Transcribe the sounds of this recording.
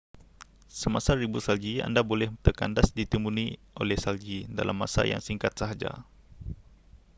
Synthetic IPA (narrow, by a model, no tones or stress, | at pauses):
səmasaɾibusald͡ʒia̰ndabolɛht̪əka̰ndasdit̪əmuniʔo̰lɛhsald͡ʒida̰lamːa̰sa̰ja̰ŋsiŋkat̪̚saɦad͡ʒa̰